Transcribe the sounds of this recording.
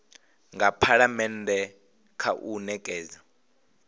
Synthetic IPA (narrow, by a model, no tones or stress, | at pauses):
ŋɡapʰaɺamɛndʱɛ | kʰaʔunɛkʼɛːza